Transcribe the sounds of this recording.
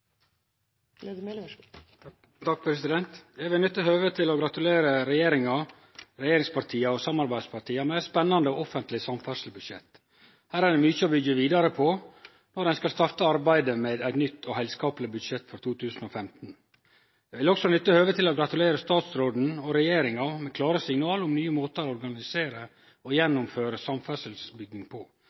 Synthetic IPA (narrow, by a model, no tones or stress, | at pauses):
ɑk̚pʰɾɛsɪd̪ɛnt̪jæɪʋɪlnʏt̪ːəɦøːʋət̪ʰɪlɔɡɾɑt̪ʉleːɾəɾɛjeːɾɪŋɑ | ɾɛjeːɾɪŋspʰɑɾʈʰiːɑɔsɑmɑɾbæɪd̪spʰɑʈʰiːɑmɛæɪt̪spɛnːɑnd̪əoɔfənt̪lɪsɑmfæʂəl̩bʉd̪ʃɛ̰t̪ː | hæːɾæɖ̪ɛmʉːçəɔbʏɡːəʋiːd̪ɑɾəpʰɔ | nɔɾd̪ɛnskɑlst̪ɑɾt̪əɑɾbæɪd̪əmeːd̪æɪt̪nʏt̪ːɔhɛɪlskɑːplɪbʉd̪ʃɛt̪ːfɔɾt̪ʰuːt̪ʰʉːsn̩ɔfɛmt̪n̩ | d̪ɛʋɪlɔksɔnʏt̪ːəhøːʋət̪ʰɪlɔɡɾɑt̪ʉleːɾəst̪ɑːt̪sɾoːd̪n̩ɔɾɛjeːɾɪŋɑmɛkʰlɑːɾəsɪŋnɑːlʊmnyːəmoːt̪əlɔɾɡɑnɪseːɾə | ɔjɛnːʊmføːɾəsɑmfæsəlsbʏɡnɪŋpʰɔ